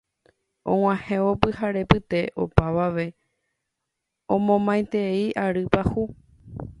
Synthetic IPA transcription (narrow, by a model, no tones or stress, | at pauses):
ʔõ̰ŋw̃ʷãhẽo̞pɨhaɾe̞pɨt̪e̞ʔo̞̰paʋaʋe̞ | õmõmãj̃t̪e̞iʔaɾɨpahu